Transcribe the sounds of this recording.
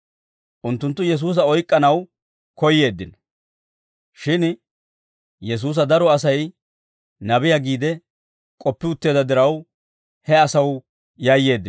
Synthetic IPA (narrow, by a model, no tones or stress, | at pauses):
ʔʊnt̪ːʊnt̪ːʊjɛs̬uːs̬ɐɔjkʼːɐnɐw | kɔjːe̞ːd̪ːɪn | ʃɪn | jɛs̬uːs̬ɐd̪ɐɾɔɐsɐj | nɐbɪjaɡiːd̪ɛ | kʼɔpːɪʊt̪ːeːd̪ɐd̪ɪɾɐw | hɛɐsɐw | jaːje̞ːd̪ːɪ